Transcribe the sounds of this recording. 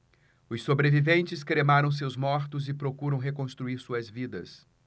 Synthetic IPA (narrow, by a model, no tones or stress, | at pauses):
ʊsːobɾevivẽnt͡ʃɪskɾemaɾɐ̃w̃s̬ewzmɔɾt̪ʊzɪpɾokuɾɐ̃w̃ɦekõst̪ɾuiɾsuɐzvid̪ɐs